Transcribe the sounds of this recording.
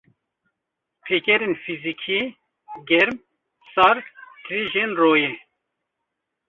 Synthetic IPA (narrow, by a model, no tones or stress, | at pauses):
pʰeːkɛɾenfizikʰi | ɡɛɾm | sɑɾt̪ʰɾiːʒenroːje